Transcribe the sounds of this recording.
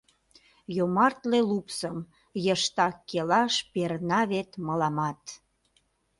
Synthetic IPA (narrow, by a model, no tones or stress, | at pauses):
jomɑrt̪lelupsəm | jəʃt̪ɑkːelɑʃpeɾnɑβet̪məlɑmɑt̪